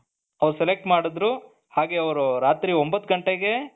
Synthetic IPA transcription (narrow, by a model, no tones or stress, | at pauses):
ɐʋɾuselek̚ʈmaːɽid̪ɾu | haːɡe̞ɐʋɐɾuɾaːt̪ɾiombɐt̪ːɡɐɳʈeɡe̞